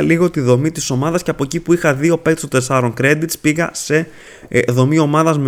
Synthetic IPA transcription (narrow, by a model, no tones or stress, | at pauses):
liɣo̞t̪iðo̞mit̪iso̞mɐðɐsceɐpo̞ecipuixɐðio̞pekt̪st̪ot̪e̞sɐɾo̞ŋkɾe̞d̪it̪spiɣɐse̞ | ðo̞mio̞mɐðɐzm